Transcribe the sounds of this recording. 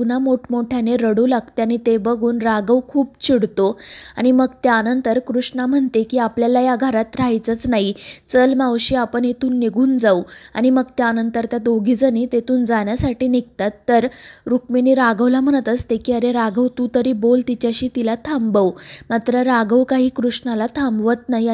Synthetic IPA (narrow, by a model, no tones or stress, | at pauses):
un̤amoʈmoʈʰjaneɾəɽulaɡt̪eañit̪ebəɡʱuːnɾaɡəʋkʰuːb̚t͡ɕʰiɽt̪oa̰ɽ̃iməɡt̪jaanənt̪əɾkɾuʂɳam̤əɳt̪ekiːapljalajaɡʱəɾat̪ɾajt͡sət͡snaɦit͡səlmawɕiːapəɳet̪uːnːiɡʱuːnd͡zaua̰ɽ̃iməɡt̪jaanənt̪əɾt̪jat̪oɡʱiːd͡zənit̪et̪uːnd͡zaɳjasaʈiːniɡt̪at̪ːəɾɾukminiːɾaɡəwlam̤əɳ̃ət̪əst̪ekiːəɾeɾaɡəwt̪ut̪əɾiːbolt̪it͡ɕaɕiːt̪ilat̪ʰambəwmat̪ɾəɾaɡəwkaɦiːkɾuʂnalat̪ʰambʋət̪nai